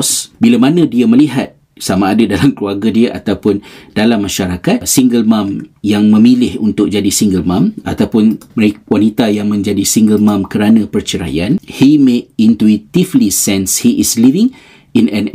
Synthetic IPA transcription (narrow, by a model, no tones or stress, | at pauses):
sbilamanə̃diamə̃liɦat̪̚ | samãːdadalamkluarɡadiəʔa̰t̪awpʊnd̥alamːaʃaɾakat̪̚siŋɡəlmãmjaŋmə̃milɪhunt̪ʊk̚d͡ʒadisiŋɡəlmãma̰t̪awpʊnmwanit̪ajaŋmə̃ɲd͡ʒadisiŋɡəlmãmkəɾanãpərt͡ʃəɾa̰ja̰nhimek̚int̪uit̪ivlisɛnshiʔislivɪ̃ŋ | inɛ̃n